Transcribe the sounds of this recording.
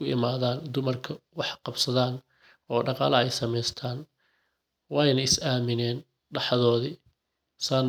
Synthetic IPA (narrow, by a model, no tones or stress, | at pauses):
ʊɪ̰maːðaːnd̪ʊmɐrkʰɐwɑħqɑbsɐðaːn | ɔːɖɑqɑːlɐɛjsɐmɛjst̪ʰaːn | wɑːjnɐɪsaːmɪnɛːn | ɖɑħɑðɔːðɪ | saːn